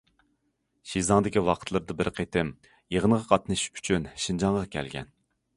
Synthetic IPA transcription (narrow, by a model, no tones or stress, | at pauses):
ʃizɑŋd̪ɪkʲiwɑqʰət̪ʰlˠɨɾd̪ɨbɪɾqʰet̪ʰɪm | jeʁənʁɑqʰɑt̪nɨʃy̥t͡ʃʰynʃind͡ʒɑŋʁɑkʲʰɛ̰lɡʲɛ̰n